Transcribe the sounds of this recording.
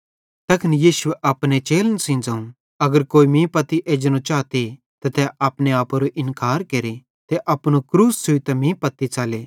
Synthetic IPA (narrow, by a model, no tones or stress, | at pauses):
t̪ɐkʰənijiːsʊeʔɐpnet͡ʃeːlənsɪ̃ːnd͡zaːũ | ɐɡəɾkoːimĩːpɐt̪iʔeːd͡ʒñõt͡ʃaːt̪i | t̪ɐt̪ɛʔaːpneaːpoɾoʔɪnkaːɾkeːɾi | t̪eʔɐpñukɾuːssʊit̪ɐmĩːpɐt̪ːit͡ʃaːleː